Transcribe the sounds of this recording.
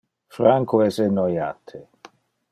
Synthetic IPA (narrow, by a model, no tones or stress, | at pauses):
fɾaŋkoɛsenːɔjaːt̪ʰe